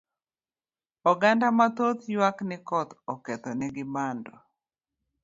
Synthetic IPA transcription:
ɔɡandamat̪ot̪jwaknɪkɔt̪ɔkɛt̪ɔnɛɡɪbandɔ

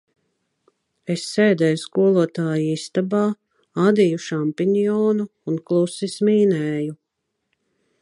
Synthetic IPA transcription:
esːeːd̪ɛːjuskuɔlˠuɔt̪aːjiist̪abaː | ad̪ijuʃampiɲijɔːnuːnklˠusismiːnɛːju

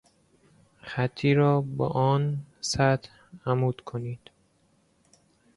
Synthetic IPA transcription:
xæt̪ʰːiːɾɒːbɒ̰ːʔɒːnsæt̪ | æmuːd̪̥kʰoniːd̪̥

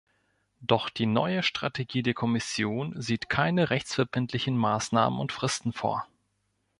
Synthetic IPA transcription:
d̥ɔχd̥iːnɔ̰ʏəʃtʁ̥a̰tʰeɡiːdeːɐkʰɔmɪsjoːnziːtkʰaɪnəʁɛçt͡sfɛɐbɪntʰlɪçn̩maːsna̰ːmə̰nʊ̰ntfʁ̥ɪstn̩fo̰ːɐ

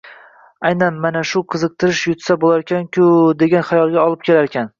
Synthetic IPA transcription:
ajnanmanaʃʊqʰɨzɨq̚t̪ʰɪɾɪʃjʊt̪sabolaɾkʲankʲʰʊd̪e̞ɡʲanχajɒlˠɡʲaɒlˠɪp̚kʲʰe̞laɾekʲʰan

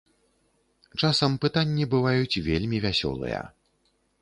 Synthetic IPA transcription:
t͡ʂasɐmpɨt̪anʲːibɨvajut͡sʲvʲelʲmʲivʲasʲɔ̰lˠɨ̰jɐ̰

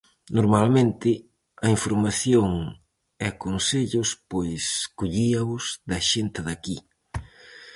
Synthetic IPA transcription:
noɾmalmẽnt̪ɪ | ɐiɱfoɾmaθjoŋ | ɛkonseʎʊspojskuʎiɐʊsd̪ɐʃent̪ɪðɐki

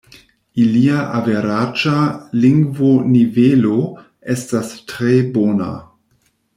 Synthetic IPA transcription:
iliaʔaveɾad͡ʒaliŋɡvonivelo | estastɾebona̰

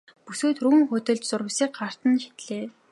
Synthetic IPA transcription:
puseːt̪ʰruɘ̆ŋxʊt̪ɵ̆ɮt͡ɕt͡sʊɾə̆wsiːk̚ɢar̥t̪ə̆nʃi̥t̪ɮeː

